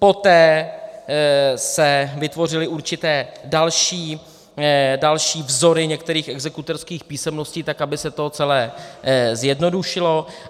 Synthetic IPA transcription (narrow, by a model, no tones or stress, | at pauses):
po̞t̪ɛː | sɛvɪt̪vo̞r̝ɪlɪʔuɾt͡ʃɪt̪ɛːdalʃiː | dalʃiːvzo̞ɾɪɲɛkt̪ɛɾiːxʔɛɡzɛkut̪ɛɾskiːxpiːsɛmno̞sciːt̪akabɪsɛt̪ot͡sɛlɛːzjɛdno̞duʃɪlo̞